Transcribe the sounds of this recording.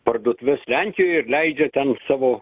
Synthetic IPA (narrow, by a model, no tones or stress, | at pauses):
pɐrd̪ʊːt̪ʲʋʲɪslʲæŋʲkʲɪjoːjɪrlʲɛɪd͡ʒʲɛt̪ʲɛnsɑːʋoː